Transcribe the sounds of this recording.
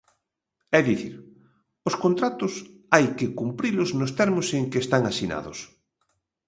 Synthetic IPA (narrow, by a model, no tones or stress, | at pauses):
ɛðiθiɾ | oskont̪ɾat̪ʊsajkɪkumpɾilʊznʊst̪ɛɾmoseŋkeːst̪aŋasina̰ðʊs